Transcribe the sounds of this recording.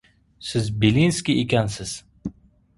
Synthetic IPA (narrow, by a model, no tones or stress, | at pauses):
sɪzbelinskʲiʔekʲansɪz̥